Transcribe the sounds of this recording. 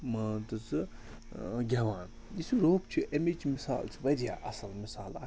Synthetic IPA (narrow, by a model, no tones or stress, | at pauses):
mɐt̪ɨt͡sɨ | ɡʲɐʋãːn | isuɾoːpt͡ʃʰuʔɐmet͡ʃʰimisa̰ːlt͡sʰiʋɐd̪ʲja̰ːʔɐsɐlmisaːla